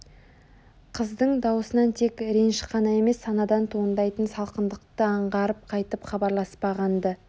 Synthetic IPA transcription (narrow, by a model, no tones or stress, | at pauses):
qʰəzd̪əɴd̪ɑwəsənɑnt̪ʰe̞kɾenʃəqʰɑnɑe̞me̞sːɑnɑd̪ɑnt̪ʰond̪ɑjt̪ənsɑlˠqənd̪əq̚t̪əɑɴʁɑɾəp̚qʰɑjt̪əpχɑbɑɾlˠɑspɑʁɑnd̪ə